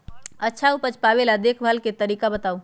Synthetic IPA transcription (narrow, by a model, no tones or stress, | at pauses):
ətːʃʰaupət͡ʃpabelad̪ekʰbʱalket̪əɾiːkabət̪aːu